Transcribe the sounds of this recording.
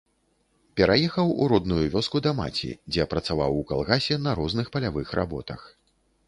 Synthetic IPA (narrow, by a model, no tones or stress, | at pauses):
pʲɛɾajɛxɐwṵɾɔd̪nujuvʲɔskud̪ɐma̰t͡sʲḭd͡zʲɛpɾɐt̪savawuka̰lˠɣasʲɛnɐɾɔznɨxpɐlʲavɨxɾa̰bɔ̰t̪ɐ̰x